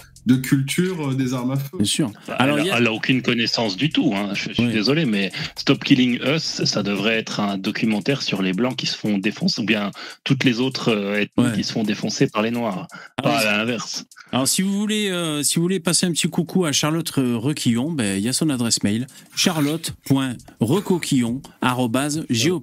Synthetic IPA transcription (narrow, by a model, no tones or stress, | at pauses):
d̪əkʲʰylt̪ʰyːʁəd̪ezaʁmaføjɛ̃syːʁba̰alɔʁjaɛlaokʲynkɔnɛsɑ̃sd̪yt̪uɛ̃ʒəsiɛd̪ezɔlemɛst̪ɔpkʲiliŋœsːad̪əvʁɛɛt̪χɛ̃d̪ɔkʰʲymɑ̃t̪ɛʁsyʁleblɑ̃kʲi̥sə̥fɔ̃d̪efɔ̃subjɛ̃t̪ut̪lezot̪χøɛt̪mwɛkʲisə̥fɔ̃d̪efɔ̃sepaʁlenwaːʁaalalɛ̃vɛʁsalɔʁsivuvuleøsivuvulepaseɛ̃pət̪ikukʰuaʃaʁlɔt̪ʁəʁəkʰʲijɔ̃bɛiljasɔ̃nad̪ʁɛsmɛjlʃaʁlɔt̪pwɛ̃ʁəkɔkʲʰijɔ̃aʁɔbazʒeo